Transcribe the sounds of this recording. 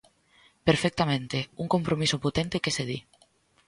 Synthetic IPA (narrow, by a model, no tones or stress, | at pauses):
peɾfɛk̚t̪amẽnt̪euŋkompɾomisopot̪ent̪ekeseði